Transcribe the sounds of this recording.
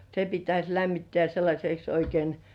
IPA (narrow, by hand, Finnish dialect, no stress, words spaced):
se pitæsʲ læmːitːĕæˑ selːɑsʲeks oikein